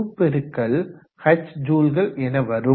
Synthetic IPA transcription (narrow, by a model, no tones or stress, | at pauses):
ɯpːɛɾɯkːɐɭ | hɐt͡ʃːd͡ʒuːlɣɐɭɛnɐʋɐɾɯ